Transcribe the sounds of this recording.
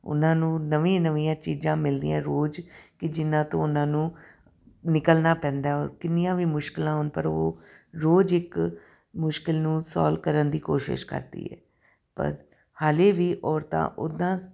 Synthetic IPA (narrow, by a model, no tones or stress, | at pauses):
ʊ̰nãːnũːnəʋĩːnəʋĩːãːt͡ʃiːd͡ʒãːmɪld̪ijãːɾoːd͡ʒkɪd͡ʒɪnãːt̪õ̰ːʊnãːnũː | nɪkəlnaːpɛ̃ːnd̪aːɔːɾkɪnɪjãːʋiːmʊʃkɪlãːɦʊnpəɾoːɾoːd͡ʒɪk | mʊʃkɪlnũːsɔ̰ːlkəɾənd̪iːkoːʃɪ̰ʃkə̰ɾd̪ḭːɦɛ̰ː | pə̰ɾ | haːleːʋiːʔɔːɾt̪ã̰ːʔʊd̪ãː